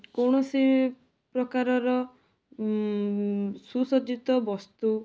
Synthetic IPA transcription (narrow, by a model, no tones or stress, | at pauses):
koɳ̃ɔsi | pɾɔkaɾɔɾɔ | susɔd͡ʒit̪ɔbɔst̪u